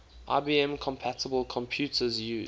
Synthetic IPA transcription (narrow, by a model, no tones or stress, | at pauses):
ʔa̰ɪbiːɛ̃mkʰɔ̃mpʰætəbəlˠkʰɔ̃mpʰj̥uˑtʰəzjʉː